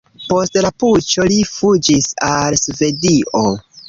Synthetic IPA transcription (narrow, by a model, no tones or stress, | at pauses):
po̞stlaput͡ʃo̞lifud͡ʒisalsve̞diʔo